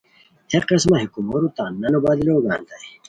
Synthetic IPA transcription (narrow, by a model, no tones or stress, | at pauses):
heqesmɐɦikumoɾut̪aːnːɐnubad̪iloːɡaːnd̪aj